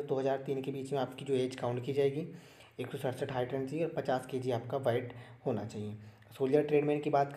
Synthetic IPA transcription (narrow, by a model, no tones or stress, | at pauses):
d̪oːɦɐzaːɾt̪iːnkebiːt͡ʃmẽaːpkid͡ʒoːeːd͡ʒkaːʊ̃ɳʈkid͡ʒaːeːɡi | eːksɔsəʈsəʈɦaːɪʈə̃nt͡ʃiɔːɾpɐt͡ʃaːsked͡ʒiaːp̚kaʋaːɪʈhoːnat͡ʃaːɦie | soːlijəɾʈɾeːɖmɛ̃ːɳkibaːt̪k